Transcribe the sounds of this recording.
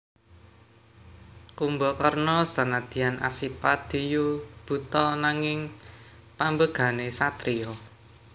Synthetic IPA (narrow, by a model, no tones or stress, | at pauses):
kumbɔkarnɔsanad̪̥i̤anʔa̰sipad̪̥i̤jub̥ṳt̪ɔnaŋɪŋ | pambəɡ̥a̤nesat̪ɾiɔ